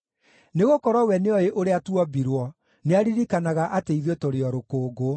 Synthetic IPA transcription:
neɣokɔɾɔwɛneɔeʔoɾeatuɔbiɾwɔ | neaɾiɾikanaɣaʔateiðotoɾeɔɾokoːɡo

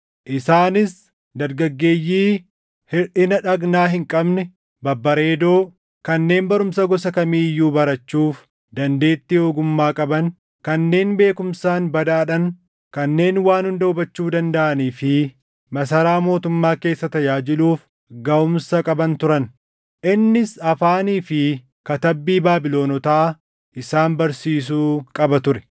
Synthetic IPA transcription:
ʔɪsaːnɪs | d̪ɐɾɡɐɡːe̞ːjːiː | hɪɾᶑɪnɐᶑɐɡnaːɦɪŋkʼɐbnɛ | bɐbːɐɾe̞ːd̪o̞ː | kɐnːe̞ːnbɐɾʊmsɐɡɔsɐkɐmiːjːuːbɐɾɐt͡ʃːuːf | d̪ɐnd̪e̞ːt̪ːɪoːɡʊmːaːkʼɐbɐn | kɐnːe̞ːnbe̞ːkʊmsaːnbɐd̪aːᶑɐn | kɐnːe̞ːnwaːnhʊnd̪ɐʊbɐt͡ʃːuːd̪ɐnd̪ɐʔɐniːfɪ | mɐs̬ɐɾaːmo̞ːt̪ʊmːaːke̞ːsːɐt̪ɐjaːd͡ʒɪluːf | ɡɐʊmsɐkʼɐbɐnt̪ʊɾɐn | ʔɪnːɪsɐfaːniːfɪ | kɐt̪ɐbːiːbaːbɪlo̞ːnɔt̪aː | ʔɪsaːnbɐɾsiːs̬uːkʼɐbɐt̪ʊɾɛ̥

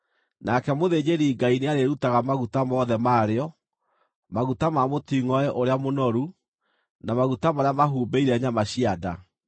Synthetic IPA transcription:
nakɛmoðeːd͡ʑeɾiɡaineaɾeɾutaɣamaɣutamɔːðɛmaːɾeɔ | maɣutamamotiŋɔɛʔoɾeamonɔɾu | namaɣutamaɾeamaɦuːbeiɾɛɲamaɕiada

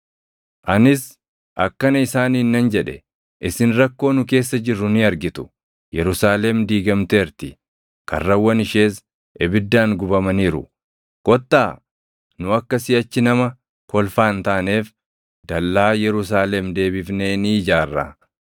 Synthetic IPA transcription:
ʔɐnɪs | ʔɐkːɐnɐɪsaːniːnːɐnd͡ʒɛᶑɛ | ʔɪsɪnɾɐkːo̞ːnʊke̞ːsːɐd͡ʒɪrːʊnɪɐɾɡɪt̪ʊ̥ | jɛɾʊsaːlɛmd̪iːɡɐmt̪eːɾt̪ɪ | kɐ̰rːɐwːɐnɪʃe̞ːs | ʔɛbɪd̪ːaːŋɡʊbɐmɐniːɾʊ̰ | ɡ̥ɔt̪ːaː | nʊɐkːɐsɪɐt͡ʃːɪnɐmɐ | kɔlfaːnt̪aːne̞ːf | d̪̥ɐlːaːjɛɾʊs̬aːlɛmd̪e̞ːbɪfneːniːd͡ʒaːrːa̰

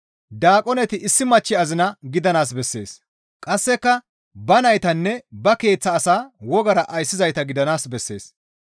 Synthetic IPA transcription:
d̪aːkʼɔnɛt̪ɪʔɪsːɪmɐt͡ʃːɪɐzɪnɐɡɪd̪ɐnaːs̬bɛsːe̞ːs | kʼɐsːɛkːɐ | bɐnɐjt̪ɐnːɛbɐke̞ːt͡sːɐːsaːwɔɡɐɾɐʔɐjsːɪzɐjt̪ɐɡɪd̪ɐnaːsbɛsːe̞̰ːs

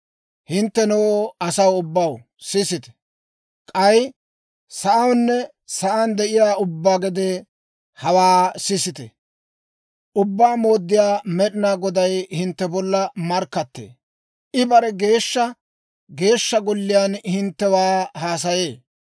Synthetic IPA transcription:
hɪnt̪ːɛnoːɐsɐwʊbːɐw | sɪsɪt̪ɛ̥ | kʼɐj | sɐʔɐwnːɛ | sɐʔand̪ɛʔɪjaːʊbːaːɡɛd̪eː | hɐwaːsɪsɪt̪ɛ̰ | ʔʊbːaːmo̞ːd̪ːɪjaːmɛɗɪnaːɡɔd̪ɐjhɪnt̪ːɛbɔlːɐmɐɾkːɐt̪ːḛː | ʔɪbɐɾɛɡe̞ːʃːɐ | ɡe̞ːʃːɐɡɔlːɪjaːnhɪnt̪ːɛwaːhaːs̬ɐje̞ː

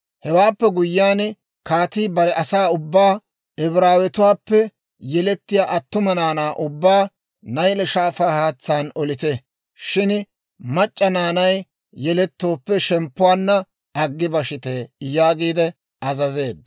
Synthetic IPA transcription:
hɛwaːpːɛɡʊjːɪaːn | kaːt̪iːbɐɾɛʔɐsaːʊbːaː | ɛbɾaːwɛt̪ʊwaːpːɛ | jɛlɛt̪ːɪjaːʔɐt̪ːʊmɐnaːnaːʔʊbːaː | nɐjlɛʃaːfaːhaːt͡sːaːnɔlɪt̪ɛ | ʃɪn | mɐt͡ʃʼːɐnaːnɐj | jɛlɛt̪ːo̞ːpːɛʃɛmpːʊwaːnːɐ | ɐɡːɪbɐʃɪt̪ejaːɡiːd̪ɛ | ɐzɐze̞ːd̪ːɐ

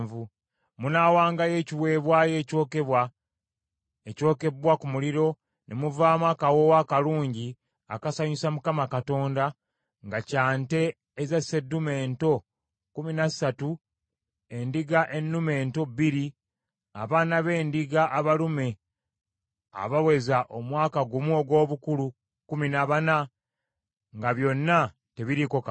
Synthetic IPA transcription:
vu | munaːwaːŋɡaje̞ːciwe̞ːβwaːje̞ːco̞ːke̞βwa | eco̞ːke̞bwakumuliɾo̞ | nʔemuvaːmakawo̞wakaluːɲɟi | a̰kasaɲusamukamakato̞ːnda | ŋɡacaːnte̞ː | zasedume̞ːnto̞ | kuminasatu | e̞ndiɡaʔe̞nːume̞ːnto̞biɾi | a̰βaːnaβe̞ːndiɡaʔːβalume̞ | a̰βawe̞zaʔomwaːkaɡumuoɡwo̞ːβukulu | kuminaβana | ŋɡaβjo̞nːa | te̞βiɾiko̞ka

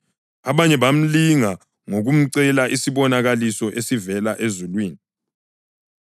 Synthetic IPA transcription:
aβaɲɛɓam̩liŋa | ŋoɣum̩ǀɛlaʔisiβɔnaɣalisɔʔesivɛlaʔezulwiːni

